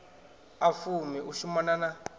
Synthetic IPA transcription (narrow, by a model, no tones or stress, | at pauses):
afumiʔuʃumanana